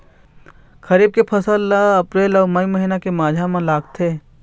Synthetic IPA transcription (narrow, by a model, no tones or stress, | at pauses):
kʰɐɾiːb̚kepʰɐsəlaɐpɾeːlɔːmɐiməɦiːnakemaːd͡ʒʱamãlaːɡ̚t̪ʰeː